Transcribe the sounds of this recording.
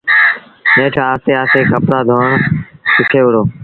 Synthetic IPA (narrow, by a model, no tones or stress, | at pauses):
nẽːʈʰaːst̪eːaːseːkəpɽaːd̪ʱoːɳsɪkʰeːʋʊɽoː